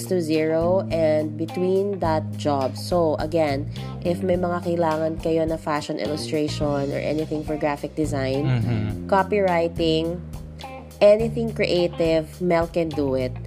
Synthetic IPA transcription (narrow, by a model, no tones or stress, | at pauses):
st̪uziɹoʔɛnd̪̚bɪt̪wĩnd̪ɐt̪̚d͡ʒabsowʔɐ̰ɡɛ̃n | ʔɪfmɐjmɐŋakɐɪlaːŋɐnkɐjonɐfaʃɔnʔɪ̰lʊst̪ɹeʃɔnɔ̰ɹʔɛ̰nɪθɪ̃ŋfɔɹɡɹafɪk̚d̪ɪzãjnkapiɹajt̪ɪ̃ŋ | ʔɛnɪθɪ̃ŋkɹɛʔejt̪ɪvmɛlkɛnd̪uɪt̪̚